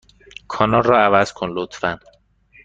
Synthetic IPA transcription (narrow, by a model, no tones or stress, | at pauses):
kʰɒːnɒlrːɒːævæz̥kʰonlot̪ʰfæn